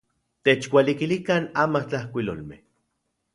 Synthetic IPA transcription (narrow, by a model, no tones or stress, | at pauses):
t̪et͡ʃwʷalikilikanaːmaht͡ɬahkʷilo̰lmḛh